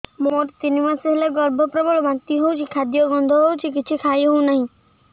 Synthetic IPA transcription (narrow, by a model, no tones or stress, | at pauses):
moʈt̪inimaseɦeleɡɔɾbʱɔpɾɔbɔɭɔmat̪iɦowt͡ʃʰikʰad̪jɔɡɔ̃nd̪ʱɔɦowt͡ʃʰikɪt͡ʃʰikʰajɦoũnaɦĩ